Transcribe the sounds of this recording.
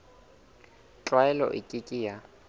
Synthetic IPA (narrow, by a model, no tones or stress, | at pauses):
t͡ɬʼwaɛlɔ̰ʔɪkʼɪkʼɪja